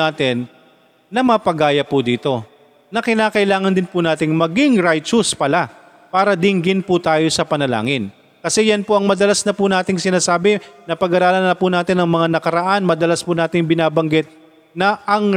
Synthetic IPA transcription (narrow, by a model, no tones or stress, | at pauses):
aːt̪ɪnː | ɐmɐpɐɡaːjɐpʊd̪iːt̪o̞ | nɐkɪnaːkɐʔɪlaːŋɐnd̪ɪnpʊnaːt̪ɪŋmɐɡɪŋɾajt͡ʃʊspɐla | paːɾɐd̪ɪŋɡɪnpʊt̪aːjo̞sɐpɐnɐla̰ːŋɪn | kɐsɛjɐnpoʔɐŋmɐd̪ɐlasnɐpʊnaːt̪ɪŋsɪnaːsaːbɪnɐpɐɡɐɾaːlɐnɐpʊnaːt̪ɪnɐŋmɐŋanɐkɐɾɐʔanmɐd̪ɐlaspʊnaːt̪ɪŋbɪnaːbɐŋɡɪt̪̚ | nɐʔɐŋ